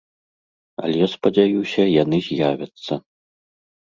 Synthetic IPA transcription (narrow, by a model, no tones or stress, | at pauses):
ɐ̰lʲɛjaspɐd͡zʲajusʲɐjanɨzʲjavʲɐt̪sːɐ